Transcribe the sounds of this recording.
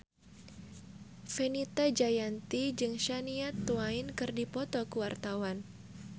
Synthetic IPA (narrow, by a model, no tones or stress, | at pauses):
fɛnit̪ad͡ʒajant̪id͡ʒɨŋʃaniat̪ːuainkɨrdipɔt̪ɔkuwart̪awan